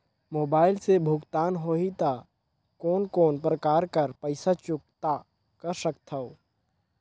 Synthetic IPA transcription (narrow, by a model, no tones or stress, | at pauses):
moːbaːɪlsebʱʊɡt̪aːnɦoːɦit̪a | kɔːnkɔːnpɾəkaːɾkəɾpəɪsat͡ʃʊk̚t̪a | kəɾsəkt̪ʰɐoː